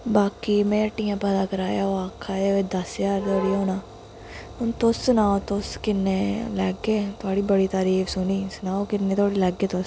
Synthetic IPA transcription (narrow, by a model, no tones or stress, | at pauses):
baːkiːmɛ̃ːəʈiːjãːpɛːd̪aːkəɾaːjaːoaːkʰaːd̪eːʋed̪əsjaːɾt̪oːɽiːoːnaː | ʊnt̪ʊsːʊnaːot̪ʊskɪnːeːlɛːɡeːt̪ʊaːɽiːbəɽiːt̪aːɾiːfʰsʊniːsʊnaːokɪnːeːt̪ʰaːɽiːlɛːɡeːt̪ʊs